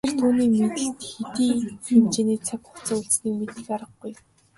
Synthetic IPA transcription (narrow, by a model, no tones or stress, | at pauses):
ĕr̥t̪ʰuːniːmet̪ɘ̆ɬt̪xet̪iːxemt͡ɕeːneːt͡sʰækχʊ̥t͡səːuɮsniːkmet̪ɘ̆kaɾə̆χɡuj